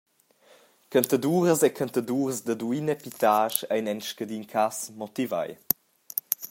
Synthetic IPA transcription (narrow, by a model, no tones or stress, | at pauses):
kənt̪ad̪uːɾəsɛkʰant̪aduːrzd̪əd̪uinɛpit̪aːʃɛjnɛnʃkəd̪inkʰasmɔt̪iva̰j